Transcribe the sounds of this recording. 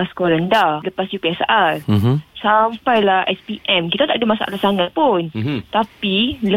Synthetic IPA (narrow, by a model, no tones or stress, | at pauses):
asə̥koɾandahləpasjupiasaʔatsampajlahɛspiʔɛmkit̪at̪aʔ̚dumasa̰ʔa̰t̪lasaŋat̪̚punt̪apilə